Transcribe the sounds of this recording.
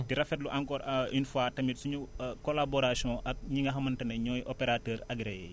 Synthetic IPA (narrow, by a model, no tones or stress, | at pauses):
tiɾɐfɛt̚luʔaŋkɔːɾinfwatɐmitsuɲukːɔlabɔɾasiɔ̃ʔɐk̚ɲiŋɡɐɦɐmɐntɐnɐɲɔjʔɔpeɾatəːɾɐɡɾɛjɛ̰